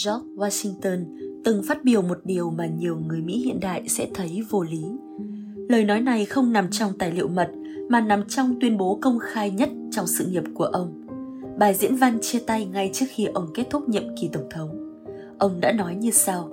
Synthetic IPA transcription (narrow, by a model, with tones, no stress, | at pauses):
zɔ˦˥k̚waː˧si˧ŋt̪əː˧nt̪ɨ˨˩ŋfaː˦˥t̚ɓi˨˩əwmo˨˩t̚ɗi˨˩əwmaː˨˩ɲi˨˩əwŋɨ˨˩əjmḭ˧˥hḭ˧˨ənɗa̰ː˧˨jsɛ̰˧˥t̪ʰə˨˦jvo˧li˨˦ | ləː˨˩jnɔ˨˦jna˨˩jxə˧wŋ͡mna˨˩mt͡ɕɔ˧wŋ͡mt̪aː˨˩jlḭ˧˨əwmə˨˩t̚ | maː˨˩na˨˩mt͡ɕɔ˧wŋ͡mt̪wi˧ənɓo˨˦kə˧wŋ͡mxaː˧jɲə˦˥t̚t͡ɕɔ˧wŋ͡msɨ̰˧˨ŋi˨˩əp̚ku˧˩əʔə˧wŋ͡m | ɓaː˨˩zḭ˧˥ənva˧nt͡ɕi˧ət̪a˧jŋa˧jt͡ɕɨ˦˥ək̚xi˧ʔə˧wŋ͡mke˦˥t̚t̪ʰʊ˦˥k͡p̚ɲə̰˧˨mki˨˩t̪ə˧˩wŋ͡mt̪ʰə˨˦wŋ͡m | ʔə˧wŋ͡mɗa̰ː˧˥nɔ˨˦jɲɨ˧sa˧w